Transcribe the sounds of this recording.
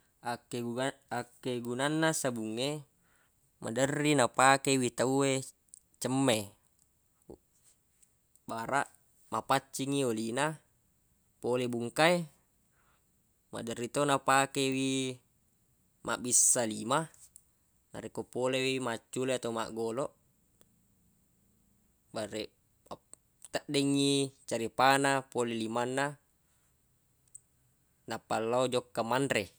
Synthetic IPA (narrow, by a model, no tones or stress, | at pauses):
akːeakːeɡunanːasabuŋːe | ma̰dərːinapakewit̪aue | t͡ʃəmːe | baɾaʔ | mapat͡ʃːiŋiolina | polebuŋkae | ma̰dərːit̪onapakewi | mʔa̰ʔbisːalima | na̰ɾekopolewimat͡ʃːuleat̪auma̰ʔɡoloʔ | baɾe | t̪əʔdɛŋːit͡ʃaɾipanapolelimanːa | napalːaod͡ʒokːamanɾe